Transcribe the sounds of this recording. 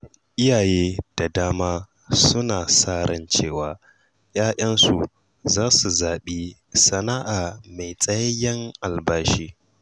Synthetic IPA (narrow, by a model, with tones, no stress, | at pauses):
ʔɪ˦jaː˨jeː˦d̥a˨daː˦maː˦ | sʊ˦naː˨saː˦˨ɾɐ˦nt͡ʃeː˦˨waː˨ | jaː˦ʔɐ˦nsu˨ | zaː˦su˨zaː˨ɓiː˦ | sɐ˨na˦ʔaː˨ma˨jt͡sʼɐ˦jɐ˦jɐ˦ŋʔa˨lbaː˦ʃiː˦